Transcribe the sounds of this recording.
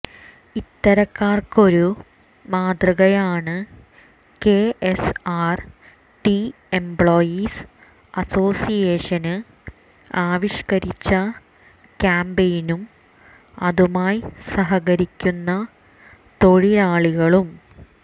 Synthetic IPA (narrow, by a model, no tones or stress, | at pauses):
it̪ːɐɾɐkːaːrko̞ɾu | maːd̪rɐɣɐjaːɳɨ | keːesaːr | ʈi | embɭo̞ːjis | ɐso̞ːsijeːʂɐnɨ | aːʋiʂkɐɾit͡ɕːɐ | kʲaːmbejinum | ɐðumaːjsɐɦɐɣɐɾikʲːunːɐ | t̪o̞ɻilaːɭuɣɐɭum